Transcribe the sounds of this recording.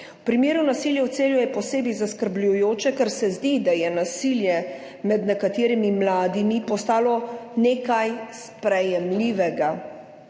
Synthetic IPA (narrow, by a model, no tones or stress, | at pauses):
wpɾimeːɾunasiːljɛwt̪seːljujɛpɔseːbizaskəɾblʲujoːt͡ʃɛkɛɾsɛzd̪id̪ajɛnasiljɛ | mɛd̪nɛkat̪eːɾimimlaːd̪imipɔst̪aːlɔneːkajs | pɾɛjɛmliːʋɛɡa